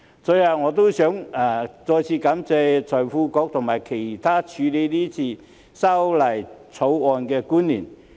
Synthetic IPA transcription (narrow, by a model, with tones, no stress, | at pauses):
sɔ˨˧˥jɐ˨˧wŋɔː˨˧t̪o˥wsœː˨˥ŋa˨˩t͡sɔː˧jt͡sʰiː˧kɐ˨˥mt͡sɛː˧t͡sʰɔː˨˩jfuː˧kɔː˨˥k̚t̪ʰʊ˨˩ŋmaː˨˩jkʰe˨˩jt̪ʰaː˥t͡ʃʰyː˨˧le˨˧jliː˥t͡sʰiː˧ | sɐ˥wlɐ˨˩jt͡sʰo˨˥wɔː˧nkɛː˧kuː˥nliː˨˩n